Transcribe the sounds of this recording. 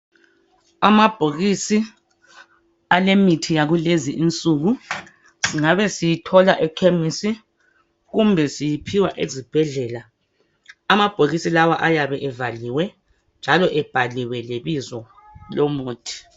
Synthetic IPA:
amab̥ʱoɣisi | alemitʰijaɣuleziʔint͡sʼuɣu | siŋaβɛsijitʰɔlaʔɛkʰemisi | ɣumbʱɛsijipʰiwaʔḛzib̥ʱɛɮɛːlaː | mab̥ʱoɣisilawaʔajaβɛʔɛvaliwɛ | nd͡ʒʱalɔʔɛb̥ʱaliwɛleβizwɔ | lomuːtʼʰi̥

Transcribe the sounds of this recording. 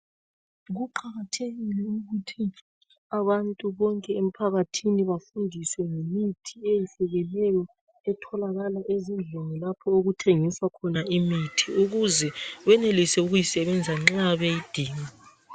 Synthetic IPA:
ɣuǃʰaɣatʰeɣilɛuɣutʰi | aβantʼuβɔŋkʼɛem̩pʰaɣatʰiniβafundʱiswɛŋemitʰiejifɛɣɛlɛjɔ | ɛtʰɔlaɣalaʔezind͡ɮʱɔŋɛlapʰɔoɣutʰeŋiswakʰɔnaimitʰiuɣuzɛɣwɛnelisɛuɣujisɛβɛnd͡zʱaŋ͡ǁaβɛid̥ʱiːŋa

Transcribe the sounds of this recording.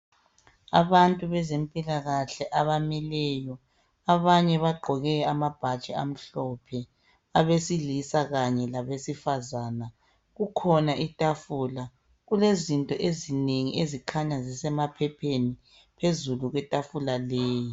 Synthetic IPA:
a̰βantʼuβɛzempʼilaɣaɬɛʔaβamilɛjɔ | aβaɲɛβaɡ͡ǃʱɔɣɛamab̥ʱat͡ʃʼɛa̰m̩ɬɔpʰɛ | aβesilisaɣaɲɛlaβesifazaːna | ɣukʰɔnaʔitʼafuːla | ɣulezintʼɔʔezineŋiʔezikʰaɲazisɛmapʰɛpʰeni | pʰezuluɣwɛtʼafulaleːji

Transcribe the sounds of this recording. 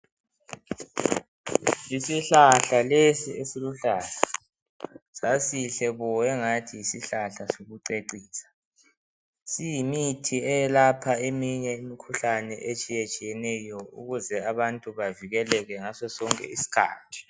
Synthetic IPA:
isiɬaɬalesiesiluɬaːla | sasiɬɛβɔɛŋatʰijisiɬaɬasoɣuǀeǃiːsḁ | sijimitʰiɛjɛlapʰaemiɲɛimikʰuɬanɛʔet͡ʃʼijet͡ʃʼijɛnɛjɔṵɣuzɛaβantʼuβaviɣɛlɛɣɛŋasɔsɔŋkʼɛ̰isi̥kʰa̰ːtʰi̥

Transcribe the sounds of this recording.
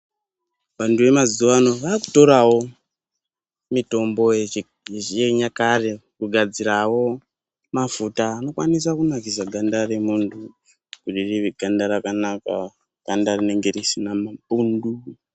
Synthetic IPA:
ʋantʰuʋe̞maziwano̞ʋaːku̥to̞ɾawo̞ | mito̞mbo̞ | eɲakare̞kuɡʱad͡ziɾawo̞ | mafutaːno̞kwanis̬akunakisaɡʱandare̞muntʰu | kutiriʋeɡʱandaɾakanaka̰ | kandarine̞ŋɡe̞risinamaɓundu

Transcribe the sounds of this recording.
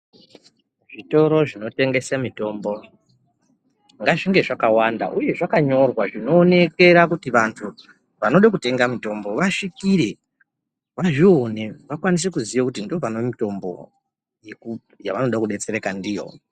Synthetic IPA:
ʐ̥ito̞ɾo̞ʐino̞te̞ŋɡe̞samito̞mbo̞ | ŋɡaʐiŋɡe̞ʐakawanda̰ʔuje̞ʐakaɲo̞rwaʐino̞ːne̞ke̞ɾakutiʋantʰu | ʋanoɗak̬ute̞ŋɡamito̞mbo̞ʋaʂikiɾe̞ | ʋaʐio̞neʋakwanis̬ekuzijakutindiopanoemito̞mbo̞̰ | jeku | ja̰ʋano̞ɗakuɗe̞t͡se̞ɾe̞kandijo̞̰

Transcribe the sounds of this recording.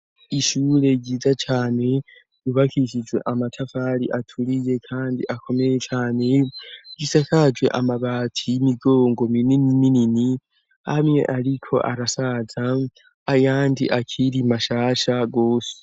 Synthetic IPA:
iʃuːɾe̞ɟiːzat͡ʃaːne̞ | juβakʰiʃid͡ʒwe̞̰ʔamatʰafaɾiʔatʰuɾije̞kʰaːndḭʔakʰo̞me̞jet͡ʃaːne̞ɡ̥isakad͡ʒwe̞̰ʔamaβaːtʰijimiɡo̞ːŋɡo̞mininiminini | hamŋe̞̰ʔaɾikʰo̞̰ʔaɾasazaː | jaːndiʔakʰiɾimaʃaːʃaɡoːse̥

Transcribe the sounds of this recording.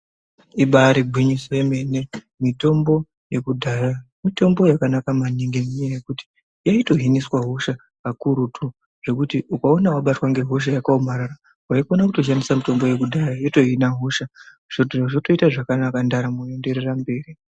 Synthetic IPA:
iɓaɾiɡʱwiɲisoeme̞ne̞ | mito̞mbo̞ | je̞kudʱaja | mito̞mbo̞jakanakamaniŋɡemuɲejekuti̥ | jaito̞ɦiniswaɦoʃa | akuɾutʰu | ʐ̥e̞kutiukaonawaɓatwaŋɡe̞ɦoʃ̬ajakaomaɾara | waikonakuto̞ʃ̬andisamito̞mbo̞je̞kudʱajajoto̞ɦinaɦoʃa | ʐ̥otʐoto̞itaʐakanakandaɾamue̞nde̞ɾerambe̞ːri

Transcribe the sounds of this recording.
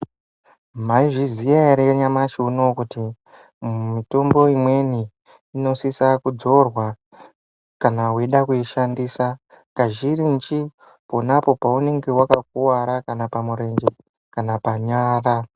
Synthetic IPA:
maiʐizijaeɾeɲamat͡ʃiuno̞kuti | mito̞mbo̞imwe̞niː | no̞sisakud͡zo̞rwa | kanaɦweɗakuiʃandiːsa | kaʒirint͡ʃi | po̞napo̞paune̞ŋɡe̞wakak̚uwaɾakanapamuɾe̞nd͡ʒe | kanapaɲaːra

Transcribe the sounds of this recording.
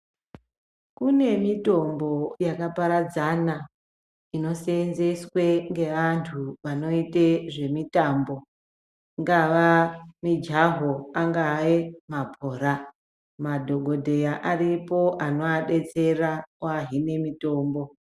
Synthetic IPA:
kune̞mito̞mbojakapaɾad͡zana | ino̞senze̞swe̞ŋɡe̞ʋantʰuʋano̞iteʐe̞mitaːmbo̞ | ŋɡaʋamid͡ʒaɦoaŋɡajemapo̞ːɾa | madʱo̞ɡʱo̞dʱe̞jaʔaripo̞ʔano̞aɗe̞t͡se̞raoaɦine̞mito̞ːmbo̞

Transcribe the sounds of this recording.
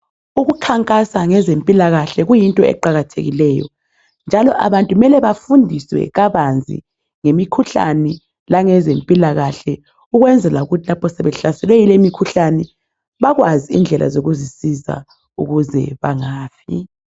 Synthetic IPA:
uɣukʰaŋkʼasaŋɛzempʼilaɣaɬɛɣujintʼɔɛ̰ǃaɣatʰḛɣḭlɛjɔ̰ | nd͡ʒʱalɔʔa̰βantʼumɛlɛβafundʱiswɛ̰ɣaβand͡zʱḭ | ŋemikʰuɬa̰nɛ | laŋɛzempʼilaɣaɬɛ | uɣwɛnd͡zʱɛlauɣutʰilapʰɔsɛβɛɬasɛlwɛilemikʰuɬanɛ | βaɣwaziḭnd͡ɮʱɛlʔa̰zoɣuzisiza̰ | ṵɣuzɛ̰βaŋaːfʰḭ

